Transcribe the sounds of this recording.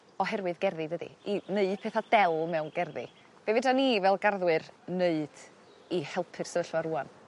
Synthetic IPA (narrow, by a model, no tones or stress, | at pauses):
ɔɦɛrwɨðɡɛrðidədḭineɨdpʰeːθad̥ɛlˠmɛwnɡɛrðḭ | b̥evɪdanivɛlˠɡarðwɨrneɨd̥ | ihɛlˠpʰɨr̥səvəɬwaɾuːan